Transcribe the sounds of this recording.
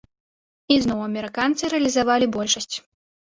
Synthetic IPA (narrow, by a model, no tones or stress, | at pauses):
iznɔwɐmʲɛɾɨkant̪sɨɾɛɐlʲizavalʲibɔlʲʂɐsʲt͡sʲ